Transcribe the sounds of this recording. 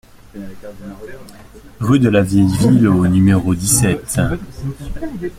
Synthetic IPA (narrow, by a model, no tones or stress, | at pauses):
ʁyd̪əlavjɛjvilonymeʁod̪isɛt̪